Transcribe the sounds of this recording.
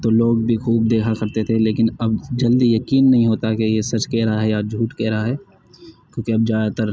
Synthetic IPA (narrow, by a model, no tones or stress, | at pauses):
t̪oloːɡbʱixuːb̚d̪eːkʰakɐɾt̪et̪ʰeleːkɪnɐbd͡ʒɐld̪ijɐkiːnːɐɦĩɦoːt̪akejesɐt͡ʃkɛːɾaɦɛjad͡ʒʱuːʈkɛːɾɦaɦɛː | kʲjõːkiɐb̚d͡ʒjaːd̪at̪əɾ